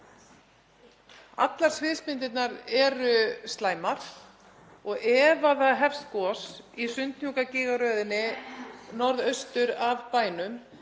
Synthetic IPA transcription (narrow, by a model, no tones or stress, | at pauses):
a̰t̪laɾ̥svɪːðspɪnt̪ɪt̪naɾɛɾʏst̪laːjmaɾ̥ | ɔɣɛːvaθaðɦɛfst̪kɔːsisʏnt̪n̥jukacɪːɣaɾœːðɪnːɪnɔɾðœɥst̪ʏɾavpaːjnʏm